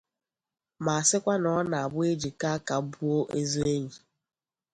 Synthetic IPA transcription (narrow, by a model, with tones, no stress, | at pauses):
ma˨a˨sɪ˦kʷa˦nɔ˦na˨a˨bʊ˦e˦d͡ʒi˨ka˦ka˨bu˦o˦ʔe˦zo˦e˦ɲi˨